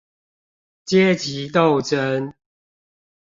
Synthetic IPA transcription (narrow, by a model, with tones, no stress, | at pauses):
t͡ɕjɛ˦t͡ɕi˨˦t̪̬o˥˨ʊʈ͡ʂə˦n